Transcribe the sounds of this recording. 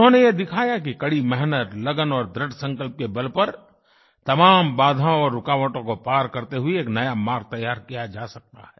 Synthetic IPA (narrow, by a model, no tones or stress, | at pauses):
ʊnɦõːnejed̪ɪkʰaːjak̬ikɐɽimɛɦnət̪lɐɡənɔːɾd̪ɾəɖsɐ̃ŋkəlp̚kebɐlpɐɾ | t̪ɐmaːmbaːd̪ʱãɔːɾːʊkaːʋəʈõkopaːɾkɐɾt̪eɦʊieːknɐjamaːɾɡ̚t̪ɐjːaːɾkijad͡ʒaːsɐk̚t̪a̰ɦɛː